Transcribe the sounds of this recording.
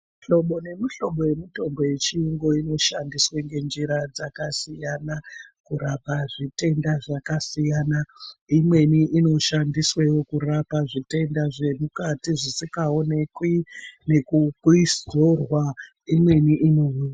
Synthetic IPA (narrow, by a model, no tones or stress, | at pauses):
ɬo̞ɓo̞ne̞miɬo̞ɓo̞je̞mito̞mbo̞je̞t͡ʃiiŋɡo̞ino̞ʃandisweŋɡe̞nd͡ʒiɾad͡zakasijanakuɾapaʐite̞ndaʐakasijanaimwe̞niʔino̞ʃandiswewokurapaʐite̞ndaʐe̞mukatiʐisikao̞ne̞kwine̞kukuisorwa | imwe̞niʔino̞miːna